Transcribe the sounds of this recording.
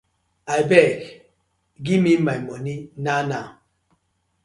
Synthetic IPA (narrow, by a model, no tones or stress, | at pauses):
ajbɛk | ɡimimamɔninana